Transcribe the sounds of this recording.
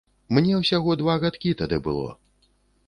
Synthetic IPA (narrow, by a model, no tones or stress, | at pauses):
mnʲɛwsʲaɣɔd̪vaɣat̪kʲit̪ad̪ɨbɨ̰lˠɔ̰